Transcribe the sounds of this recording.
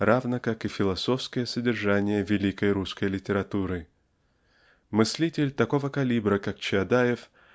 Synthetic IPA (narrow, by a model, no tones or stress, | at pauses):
ravnəkakɨfʲɪlˠɐso̞fskəjəsədʲɪrʐanʲɪjəvʲɪlʲikəjɾuskəjlʲɪtʲɪɾɐt̪uɾɨ | mɨsʲlʲitʲɪlʲt̪ɐko̞vəkɐlʲibɾəkakt͡ɕɪɐd̪ajɪf